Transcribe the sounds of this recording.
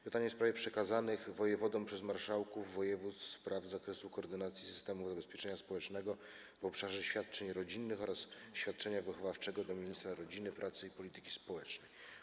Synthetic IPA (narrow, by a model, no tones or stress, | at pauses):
pɘt̪aɲɛfspɾavjɛpʂɛkazanɘɣvɔjɛvɔd̪ɔ̃m̃pʂɛzmaɾʂawkuvːɔjɛvut̪sspɾavzakɾɛsukɔːɾd̪ɘnat̪sʲjisɘst̪ɛmuvzabɛspʲjɛt͡ʂɛɲaspɔwɛt͡ʂnɛɡɔ | vɔpʂaʐɛɕfʲjat̪̚t͡ʂɛɲɾɔd͡ʑinːɘxɔɾasɕfʲjat̪̚t͡ʂɛɲavɘxɔvaft͡ʂɛɡɔd̪ɔmʲiɲist̪ɾaɾɔd͡ʑinɘpɾʔat̪sɘipɔlʲit̪ɘ̥kʲi̥spɔwɛt͡ʂnɛj